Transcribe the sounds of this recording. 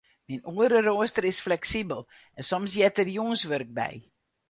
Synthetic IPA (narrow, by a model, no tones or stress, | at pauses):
mɛnuəɾəɾoəstəɾɪsflɛksibəlˠ | ɛnsɔmsjɛtərjɔŋsvɵrk̚bɛ̰j